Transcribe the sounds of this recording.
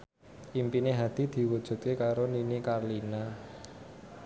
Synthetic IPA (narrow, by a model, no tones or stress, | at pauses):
ʔimpineɦad̪̥i̤d̪̥i̤wud̥ʒ̥ṳt̪̚kekaɾoninikarlina